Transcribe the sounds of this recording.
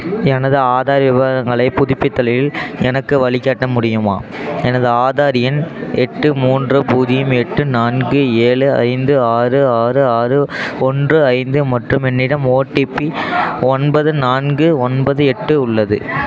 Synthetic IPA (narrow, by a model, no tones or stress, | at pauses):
ɛnɐðɯaːðaːɾɐʋɪʋaːɾɐŋɡɐɭɐɪpʊðɪpːɪt̪ːɐlɐjɪlɛnɐkːɯʋɐɭɪkːaːʈːɐmʊɽɪjɯmaːɛnɐðɯaːðaːɾɪjɐnɛʈːɯmuːndrɯpuːðɪjɯmɛʈːɯnaːnɡɯeːɭɯɐ̰ɪnd̪ɯaːrɯaːrɯaːrɯɔndrɯɐɪnd̪ɯmɐʈrɯmɛnːɪɽɐmoːʈːipːiɔnbɐðɯnaːnɡɯɔnbɐðɯɛʈːɯʊɭːɐðɯ̰